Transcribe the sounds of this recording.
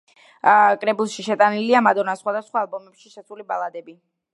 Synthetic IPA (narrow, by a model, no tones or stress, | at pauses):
kʼɾɛbulˠʃiʃɛt̪ʼaniliamad̪ɔɾnasχwad̪asχwaːlˠbɔmɛpʃiʃɛt̪sʰulibalˠad̪ɛbi